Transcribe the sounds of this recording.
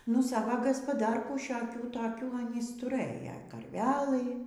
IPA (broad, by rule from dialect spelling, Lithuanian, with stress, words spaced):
nʊ ˈsɑːʋɐ ɡɐspɐˈdɐrkuː ʃʲoːˈkʲuː toːˈkʲuː ɐˈnʲiːs tʊˈrɘjɛ kɐrʲˈʋʲæːlˠɨ